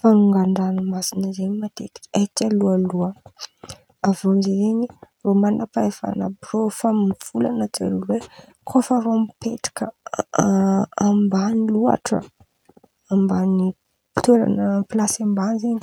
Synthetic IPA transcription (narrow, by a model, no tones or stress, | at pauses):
fanuŋɡaɳɖ͡ʐanəmasinəzenimat̪et̪i̥akalualuə | avomzezeɲiromanapaefa̰na̰brofamiv̥ulanət͡sa̰lule | kʰofəɾomipeʈ͡ʂḁkə | ambanilua̰ʈ͡ʂə̰ | ambani̥ | t̪eɾa̰nəplasambanzeɲi